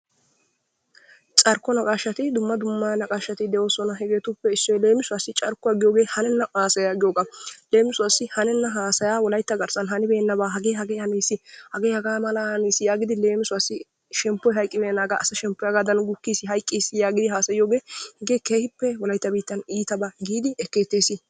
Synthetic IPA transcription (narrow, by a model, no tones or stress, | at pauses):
t͡ʃʼɐɾkːɔnɐkʼaːʃːɐt̪ɪd̪ʊmːɐd̪ʊmːɐnɐkʼaːʃːɐt̪ɪd̪ɛʔoːsɔnɐɦɛɡeːt̪ʊpːɛɪsːɔjle̞ːmɪsʊasɪt͡ʃʼɐɾkːʊɐɡɪjo̞ːɡe̞ːhɐnɛnːɐhaːsɐjaɡɪjoːɡaleːmɪsʊasɪhɐnɛnːɐɦaːsɐjaːwɔlɐjt̪ːɐɡɐɾsɐnhɐnɪbeːnːɐbaːɦɐɡeːɦɐɡeːhɐniːsɪhɐɡeːhɐɡaːmɐlɐhɐniːsɪjaːɡɪd̪ɪle̞ːmɪsʊɐsːɪ | ʃɛmpːɔjɦɐjkʼːɪmɛːnaːɡɐʔːsɐʃɛmpːɔjɐɡad̪ɐnɡʊkːiːsɪɦɐjkʼːiːsɪjaːɡɪd̪ɪɦaːsɐjɪjoːɡe̞ːhɛɡeːkeːhɪpːɛwɔlɐjt̪ːɐbiːt̪ːɐniːt̪ɐbaɡiːd̪ɪɛkːeːt̪ːeːsɪ